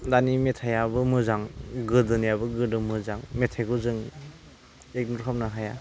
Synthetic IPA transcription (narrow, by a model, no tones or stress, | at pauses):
danimetʰajabɯmɯzaŋɡɯdɯnijabɯɡɯdɯmɯzaŋmetʰajɡuzɯŋ | ek̚nuɾkʰap̚naɦaja